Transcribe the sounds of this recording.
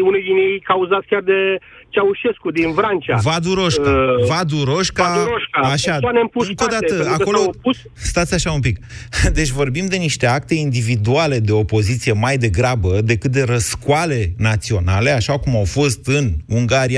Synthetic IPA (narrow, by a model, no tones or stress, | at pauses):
unejd̪injejkauzat̪sʲkʲard̪e̞ | t͡ʃeauʃe̞skud̪invɾant͡ʃavad̪uɾo̞ʃkavad̪uɾo̞ʃkaɾoʃkaaʃaanempuɨŋkod̪at̪əaako̞lo̞pus | st̪at̪sʲaʃaumpikd̪e̞t͡ʃʲvo̞rbimd̪e̞niʃt̪e̞ak̚t̪e̞ind̪ivid̪uale̞d̪e̞o̞po̞zit̪sije̞majd̪e̞ɡɾabəd̪e̞kɨt̪̚d̪e̞ɾəskuale̞nat̪sio̞nale̞aʃakumawfo̞st̪ɨnuŋɡaɾija